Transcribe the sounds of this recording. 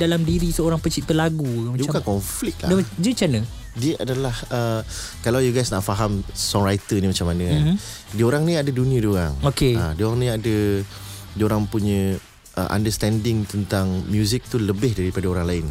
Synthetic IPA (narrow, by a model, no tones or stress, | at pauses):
dalamdiɾisəoɾaŋpət͡ʃiʔ̚t̪əlaɡumabukankɔɱflɪk̪̚la̰dad͡ʒət͡ʃanə | diəʔadalahə | kalawjuɡajsnaʔfaɦamsɔŋɾajt̪ənĩmat͡ʃamːanə̃ | dioɾaŋnĩadəduniədioɾa̰ŋokeadioɾaŋnĩadə | dioɾaŋpuɲə̃ | ʔə̰ʔa̰ndəst̪ɛndɪŋt̪ənt̪aŋmjuzik̚t̪uləbɪhdaɾipadaoɾaŋlaɪn